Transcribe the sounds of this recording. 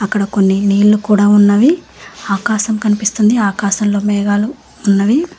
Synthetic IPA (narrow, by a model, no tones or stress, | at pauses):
ɐkːɐɽɐko̞nːiniːlːukuːɽaːunːɐʋi | aːkaːʃɐmkɐnipist̪und̪iaːkaːʃɐmlo̞ːmɛːɡaːluː | nːɐʋi